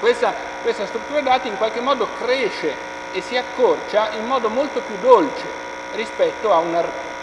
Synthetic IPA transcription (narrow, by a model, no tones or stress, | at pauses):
kwest̪a | kwest̪ast̪ɾut̪ːuːɾad̪aːt̪iiŋkwalk̟emːɔːd̪okɾeːʃe | esːiakːort͡ʃaimːɔːd̪omolt̪opjud̪ːolt͡ʃḛ | rispɛt̪ːoaunar